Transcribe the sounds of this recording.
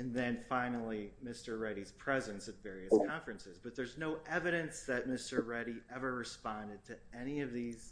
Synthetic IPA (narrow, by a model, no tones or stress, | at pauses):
ɨ̃nðɨ̃nfãɪ̃nl̩ˠimɪstə˞ɹɛɾiz̥pʰɹ̥ɛzɨ̃nsɨtvɛɹiɨskʰɑ̃ɱfɹɨ̃nsɨzbʌt̪̚ðə˞znoʊʔɛvɨɾɨ̃nsðɨt̚mɪstə˞ɹɛɾiʔɛvə˞ɹɨspɑ̃ndɨd̚tʰɨɛñiʌvðiz̥